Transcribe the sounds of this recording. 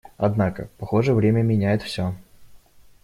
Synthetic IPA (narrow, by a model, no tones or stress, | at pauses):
ɐ̰d̪nakə̰pɐxo̞ʐəvɾʲemʲəmʲɪnʲæjɪt̪fsʲo